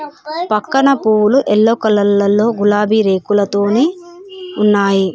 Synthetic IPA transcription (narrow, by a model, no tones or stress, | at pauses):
pɐkːɐɳɐpuːwuluʔelːoːkɐlɐlːɐlːo̞ːɡulaːbʱiɾe̞ːkulɐt̪o̞ːne̞ːunːaːji